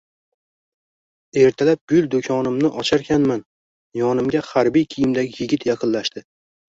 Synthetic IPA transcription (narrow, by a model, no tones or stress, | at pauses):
e̞ɾt̪ʰalap̚b̥ʊld̪okʲʰɒnɪmnɪʔɒt͡ʃʰaɾkʲʰanman | jɒnɪmɡʲahaɾbijkʲʰijɪmd̪aɡʲɪjɪɡʲɪt̪ʰjɑqʰɨnlaʃt̪ɪ